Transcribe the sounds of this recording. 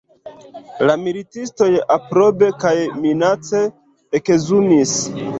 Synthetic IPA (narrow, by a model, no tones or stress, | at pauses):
lamilitisto̞japɾo̞be̞kajminat͡se̞ː | kezunis